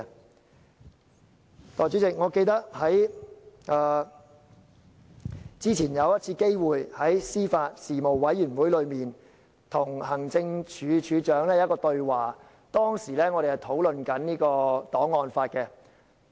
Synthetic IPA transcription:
t̪ɔː˨˩jt͡ʃy˨˥t͡sɪ˨k̚ŋɔː˨˧ke˧jt̪ɐ˥k̚hɐ˨˥jʔː | t͡siː˥t͡sʰiː˨˩njɐ˨˧wjɐ˥t̚t͡sʰiː˧ke˥jwuː˨jhɐ˨˥jsiː˥faː˧t̚siː˨˩mo˨˩wːɐ˨˥jːyː˨˩nwuː˨˥jlɵ˨˧ɥmiː˨n | t̪ʰʊ˨˩ŋhɐ˨˩ŋt͡sɪ˧ŋt͡ʃʰyː˨˧t͡ʃʰyː˨˧t͡ʃœː˨˥ŋlɛ˥jkɔː˧t̪ɵ˧ɥwaː˨˩ | t̪ɔː˥ŋsiː˨˩lɛː˥ŋɔː˨˧ɾe˨hwt̪ʰo˨˥wlɵ˨nkɐ˨˥nniː˥kɔː˧t̪ɔː˨˥ŋːɔː˧nfaː˧t̚kɛ˧

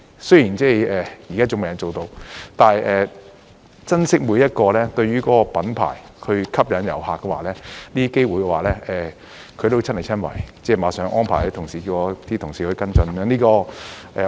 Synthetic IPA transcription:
sɵ˥ɥjiː˨˩nt͡sɛː˥˩ɛː˨ji˨˩kaː˥t͡sʊ˨˧ŋme˨jɐ˨nt͡so˨wt̪o˧wt̪aː˨˩ɛː˨ | t͡sɐ˥nsɪ˥k̚mu˨˧jɐ˥t̚kɔː˧lɛː˥t̪ɵ˧ɥyː˥kɔː˨˦˥kɔ˧pɐ˨˥npʰa̰ː˨˩j | hɵ˧ɥkʰɐ˥p̚jɐ˨˥njɐ̰˨˩wɦaː˨kːɛ˧wa̰ː˨˩lɛː˥liː˥ke˥jwuː˨jkɛ˧waː˨˩lɛː˥ʔɛː˨˩ | kʰɵ˨˧t̪o˥t͡sʰnhɐ˨˩t͡sʰɐ˥nwɐ̰˨˩jt͡sɛː˥˩maː˨˧sœː˨˧˥ŋʔɔː˥npʰaː˨˩jlɛ˥t̪ʰʊ˨ŋsiː˨˩i˧wɔ˧t̪ʰi˥t̪ʰʊ˨ŋsiː˨˩hɵ˧kɐ˥nt͡sɵ˧n˧mjœː˧˥niː˥kɔː˧ʔɛː˨

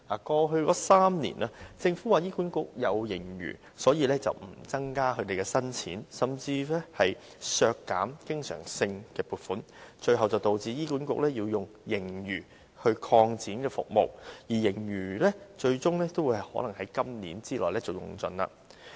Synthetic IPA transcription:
haː˨˩kɔː˧ɦɵ˧kɔː˨˥saː˥mnḭ˨˩naː˧t͡sɪ˧ŋfuː˨˥waː˨˩jiː˥kuː˨˥nkʊ˨k̚jɐ˨˧wjɪ˨˩ŋjy̰ː˨˩ | sɔː˨˥jiː˨˧lɛː˥t͡sɐ̰˨wm̩˨˩t͡sɐ˥ŋkaː˥ɦɵ˧ɥt̪e˨jkɛː˧sɐ˥nt͡sʰḭː˨˥nsɐ˨mt͡siː˧lɛ˥hɐ˨j | sœː˧kːa̰ː˨˥mkɪ˥ŋsœ̰ː˨˩ŋsɪ˧ŋkɛː˧puː˨t̚fuː˨˥n | t͡ʃɵ˧ɥɦɐ˨wt͡sɐ˨wt̪o˨wt͡siː˨˧jiː˥kuː˨˥nkʊ̰˨k̚lɛ˥jiː˧wjʊ˨ŋjɪ˨˩ŋjyː˨˩ | hɵ˧kʰɔː˧ŋt͡siː˨˥nkɛː˧fʊ̰˨k̚mo˨wjiː˨˩jɪ˨˩ŋjyː˨˩lɛː˥t͡ʃɵ˧ɥt͡sʊ˥ŋlɛː˥t̪o˥wuː˨˧jhɐ˨˩jhɔː˨˥lɐ˨˩ŋhɐ˨˥jkɐ˥mniː˨˥nt͡siː˥lɔː˨jlɛː˥t͡sɐ˨˩wjʊ̰˨˩ŋt͡sɵ˧na̰ː˧

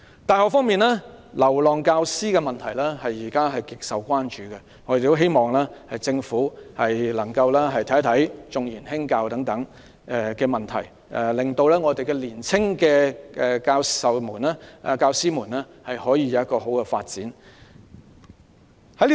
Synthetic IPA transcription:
t̪aː˨˧jhɔː˨kfɔː˥ŋmiː˨nɛː˥lɐ˨˩wlɔː˨ŋkaː˧wsiː˥kɛː˧mɐ˨nt̪ʰɐ˨˩jlɛː˥hɐ˨jːiː˨˩kaː˥ɦɐ˨jkɪ˨k̚sɐ˨wkʷaː˥nt͡ʃyː˨kɛ˧ | ŋɔː˨˧de˨t̪o˥wɦe˥jmɔː˨˩ŋlɛː˥hɐ˨jt͡sɪ˧ŋfuː˨˥hɐ˨jlɐ˨˩ŋkɐ˧wlɛː˥ɦɐ˨jt̪ʰɐ˨˥jt̪ʰɐ˨˥jt͡sʊ˨ŋjiː˨˩nɦɪ˥ŋkaː˧wt̪ɐ˨˥ŋt̪ɐ˨˥ŋ˧ | kɛː˧mɐ˨˩nt̪ʰɐ˨˩j | ʔɛ˨˧lɪ˨ŋt̪o˧wlɛː˥ŋɔː˨˧t̪e˨jkɛ˧liː˨˩nt͡sʰɪ˥ŋkɛː˧ʔɛ˧kaː˧wsɐ˨wmuː˨˩nɛː˥˨˧kaː˧wsiː˥muː˨˩nlɛː˥ | hɐ˨jhɔː˨˥jiː˨˧jɐ˨˧wjɐ˥tkɔː˧ɦo˨˥wkɛ˧faː˧t̚t͡siː˨˥n | hɐ˥i˥

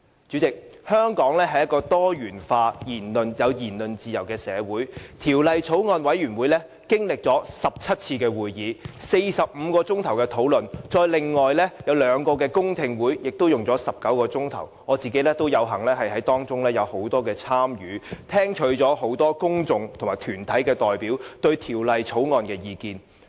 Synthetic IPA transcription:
t͡ʃyː˨˥t͡sɪ˨k̚hœː˥ŋkɔː˨˥ŋlɛː˥ɦɐ˨jɐ˥t̚kːɔː˧t̪ɔː˥jyː˨˩nfaː˧jiː˨˩nlɵ˨njɐ˨˧wjiː˨˩nlɵ˨˩nt͡siː˨jɐ˨˩wkɛː˧sɛː˨˧wuː˨˥jt̪ʰiː˨˩wlɐ˨jt͡sʰo˨˥wŋɔː˨˧nwɐ˨˥jyː˨˩nwuː˨˥jlɛː˥ | kɪ˥ŋlɪ˨k̚t͡sɔː˨˥sɐ˨p̚t͡sʰɐ˥t̚t͡sʰiː˧kɛː˧wuː˨˩jjiː˨˧se˧jsɐ˨p̚m̩ː˨˧kɔː˧t͡sʊ˥ŋt̪ʰɐ˨˩wkɛː˧t̪ʰo˨˥wlɵ˨nt͡sɔː˧jlɪ˨ŋːɔː˨jlɛː˥jɐ˨˧wlœː˨˧ŋkɔː˧kɛː˧kʊ˥ŋt̪ʰɪ˧ŋwuː˨˥jjɪ˨k̚t̪o˥wjʊ˨ŋt͡sɔː˨˥sɐ˨p̚kɐ˨˥wkɔː˧t͡sʊ˥ŋt̪ʰɐ̰˨˩wŋɔː˨˧t͡siː˨˩ke˨˥jlɛː˥t̪o˥wjɐ˨˧wɦɐ˨˩ŋlɛː˥ɦɐ˨jɦɐ˨˥jt̪ɔː˥ŋt͡sʊ˥ŋlɛː˥jɐ˨˧who˨˥wt̪ɔː˥kɛː˧t͡sʰaː˥mjyː˨˥t̪ʰɛː˥ŋt͡ʃʰɵ˨˥t͡ʃɔː˨˥ɦo˨˥wt̪ɔː˥kʊ˥ŋt͡sʊ˨ŋt̪ʰo˨˩maː˨˩jt̪ʰyː˨˩nt̪ʰɐ˨˥jkɛː˧t̪ɔː˨jpiː˨˥wt̪ɵ˧ɥt̪ʰiː˨˩wlɐ˨jt͡sʰo˨˥wŋɔː˨˧nkɛː˧jiː˧kiː˧n

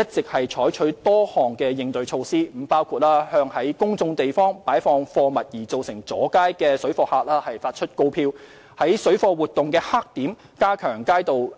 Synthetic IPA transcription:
jɐ˥t̚t͡sɪ˨k̚hɐ˨jt͡ʃʰɔː˨˥jt͡ʃʰɵ˨˥ɥt̪ɔː˥hɔː˨˩ŋkɛː˧jɪ˧ŋt̪ɵ˨˧ɥt͡ʃʰo˧wsiː˥m̩˨˩˥paː˥wkʰuː˧t̚laː˥hœː˧ŋhɐ˨˥jkʊ˥ŋt͡sʊ˧ŋt̪e˨jfɔː˥ŋpaː˨˥jfɔː˧ŋfɔː˧mɐ˨t̚jiː˨˩t͡so˨wsɪ˨˩ŋt͡sɔ̰ː˨˥kaː˥jkɛː˧sɵ˨˥ɥfɔː˧haː˧t̚laː˥hɐ˨jfaː˧t̚t͡ʃʰɵ˥t̚ko˧wpʰiː˧w | hɐ˨˥jsɵ˨˥ɥfɔː˧wuː˨t̪ʊ˨ŋkɛː˧haː˥k̚t̪iː˨˥m | kaː˥kʰœː˨˩ŋkaː˥jt̪o˨w

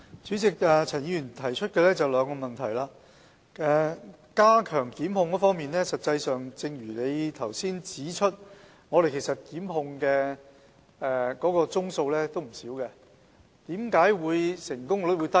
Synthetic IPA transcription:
t͡syː˨˥t͡sɪ˨k̚ɛː˨t͡sʰɐː˨˩njiː˧˥jyː˨˩nt̪ʰɐ˨˩jt͡ʃʰɵ˥t̚kɛ˧lɛː˥t͡sɐ˨wlœː˨˧ŋkɔː˧mɐ˨nt̪ʰɐ˨˩jlaː˧ | ɛ˨ | kaː˥kʰœː˨˩ŋkiː˨˥mhʊ˧ŋkɔː˨˥fɔː˥ŋmiː˨nlɛː˥sɐ˨t̚t͡sɐ˧jsœː˨ŋt͡sɪ˧ŋjyː˨˩le˨˧jt̪ʰɐ˨˩wsiː˥nt͡siː˨˥t͡ʃʰɵ˥t̚ | ŋɔː˨˧ɾe˨kʰe˨˩jsɐ˨t̚kiː˨˥mɦʊ˧ŋkɛː˧ | ɛ˨kɔː˨˥kɔː˧t͡sʊ˥ŋso˧wlɛː˥t̪o˥wm̩˨˩siː˨˥wkɛ˧ | t̪iː˨˥mkaː˨˥jwuː˨˧jsɪ˨˩ŋkʊ˥ŋɔ˧˥˨wuː˨˧jt̪ɐ˥

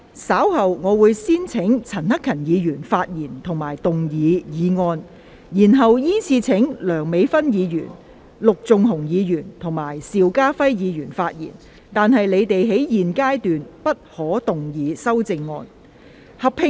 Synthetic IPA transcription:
saː˨˥whɐ˨wŋɔː˨˧wuː˨˧jsiː˥nt͡sʰɪ˨˥ŋt͡sʰɐ˨˩nhɐ˥kʰɐ˨˩njiː˨˧jyː˨˩nfaː˧t̚jiː˨˩nt̪ʰʊ˨˩ŋmaː˨˩jt̪ʊ˨ŋjiː˨˧jiː˨˧ŋɔː˧n | jiː˨˩nɦɐ˨wjiː˥nt͡sʰiː˧t͡sʰɪ˨˥ŋlœː˨˩ŋme˨˧jfɐ˥njiː˨˧jy̰ː˨˩n | lʊ˨k̚t͡sʊ˨ŋɦʊ˨˩ŋjiː˨˧jyː˨˩nt̪ʰʊ˨˩ŋmaː˨˩jsiː˨wkaː˥fɐ˥jjiː˨˧jyː˨˩nfaː˧t̚jḭː˨˩n | t̪aː˨nɦɐ˨jle˨˧jt̪e˨jɦe˨˥jjiː˨nkaː˥jt̪yː˨npɐ˥t̚hɔː˨˥t̪ʊ˨ŋjiː˨˧sɐ˥wt͡sɪ˧ŋːɔː˧n | hɐ˨pʰɪ˨˧

